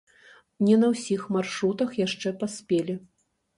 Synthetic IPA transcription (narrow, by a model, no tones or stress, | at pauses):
nʲɛnɐwsʲixmarʂɾut̪ɐxjaʂt͡ʂɛpasʲpʲelʲi